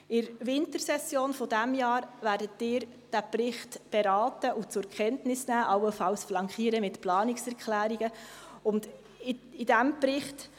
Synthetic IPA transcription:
ɪɾʋɪntəɾsɛsjoːnfɔdæmjɑːɾvæːɾdətːɪːɾ | d̥æprɪχtb̥eɾɑːtəʔut͡sʊɾkχɛntnɪsnæːʔɑwəfɑwsflɑŋkχiːəɾəmɪtplɑːnɪksɛɾkʰχlæːɾiɡəʊnd | ɪɪdæmprɪχt

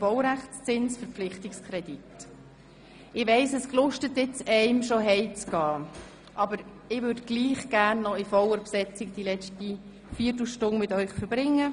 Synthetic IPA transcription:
b̥ɔʊɾæχt͡st͡sɪnsfəɾpp͡flɪχtɪkskʰɾɛdit | ɪʋɛɪsɛsklʊʃtətjɪt͡sɛɪmʃoɦɛɪt͡sɡ̥ɑː | ʔɑbəɾ | ɪʋʏɾdɡ̥liːχɡ̥æːɾnːɔifɔləɾpsɛt͡sɪk̚d̥ilɛt͡ʃti | fiːtl̩ʃtʊnmɪtœʏχfəɾb̥ɾɪŋːə

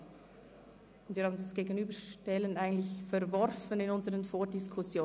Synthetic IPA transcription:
ʊntviːɾhːbndasɡ̥eːɡənyːbəʃtɛlənaɪɡən̩tlɪçfɛɾvɔɾfənɪnʊnzəʁənfoːdɪskʰʊsjoː

